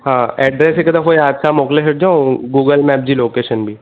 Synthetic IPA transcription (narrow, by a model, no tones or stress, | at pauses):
hãːɛːɖɾeːsekɐd̪akojaːd̪sʰamoːklekʰɐʈ̚d͡ʒaːõɡuːɡəlmɛːp̚d͡ʒiloːkeːʃənbʱiː